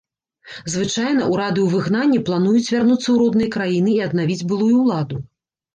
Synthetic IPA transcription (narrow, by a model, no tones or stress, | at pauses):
zvɨt͡ʂajn̪ɐʔuɾad̪ɨwvɨɣnanʲːiplˠan̪ujut͡sʲvʲarnut̪sːɐwɾɔd̪nɐjɐkɾajinɨiɐd̪navʲid͡zʲbɨlˠujuwlˠad̪u